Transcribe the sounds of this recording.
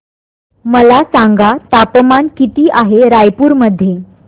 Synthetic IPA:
məlasaŋɡat̪apəmankit̪iːʔaɦeɾajpuːɾməd̪ʱːje

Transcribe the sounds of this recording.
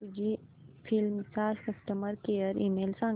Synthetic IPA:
ud͡ʒifʰilmsaːd͡ʒkɐsʈəməɾkeːəɾiːmeːlsãː

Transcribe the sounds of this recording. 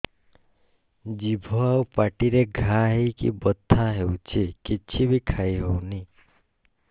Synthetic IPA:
d͡ʒibʱoaupaʈiɾeɡʱaɦikḭbɔt̪ʰːaɦewt͡ʃʰikit͡ʃʰibʱikʰaiɦowni

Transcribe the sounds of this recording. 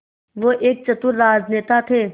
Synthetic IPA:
ʋoːʔeːk̚t͡ʃɐt̪ʊɾːaːzneːt̪at̪ʰeː

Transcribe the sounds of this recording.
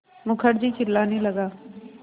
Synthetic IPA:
mʊkʰəɽd͡ʒiːkɪlːaːnĩləɡaː

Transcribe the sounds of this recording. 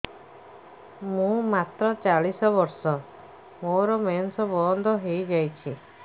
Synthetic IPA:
mũmat̪ɾɔt͡ʃaɭisɔbɔɾsɔ | moɾɔmensɔbɔɔnd̪ʱɔɦejd͡ʒajt͡ʃʰi

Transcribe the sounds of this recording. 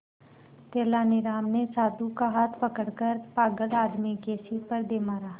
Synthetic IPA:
t̪eːlaːnɪɾaːmnẽsaːd̪ʱukaɦaːt̪ʰpɐkəɽkəɾpaːɡəlaːd̪mikeːsipɐɾd̪eːmaːɾaː

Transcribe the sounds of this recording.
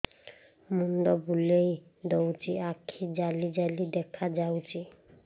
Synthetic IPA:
mund̪ɔbulejd̪owtiakʰid͡ʒalid͡ʒalid̪ɛkʰad͡ʒawti

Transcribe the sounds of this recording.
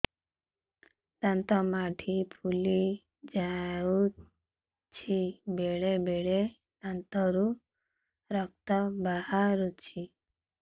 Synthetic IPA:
t̪ant̪ɔmaʈʰipʰuli | d͡ʒau | t͡ʃʰibeɽebeɽe | t̪ant̪ɔɾu | ɾɔk̚t̪ɔbahaɾut͡ʃʰi

